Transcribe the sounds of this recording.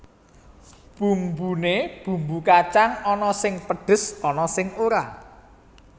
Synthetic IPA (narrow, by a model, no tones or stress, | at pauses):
b̥ṳmbuneb̥ṳmbukat͡ʃaŋɔnɔsɪŋpəɖ̥ə̤sɔnɔsɪŋoɾa